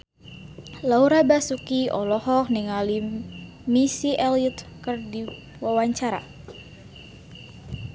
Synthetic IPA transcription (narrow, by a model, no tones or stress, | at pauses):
lauɾabasukiʔɔlɔhɔk̚niŋali | misiʔɛlut̪̚kərdi | wawaɲt͡ʃaɾa̰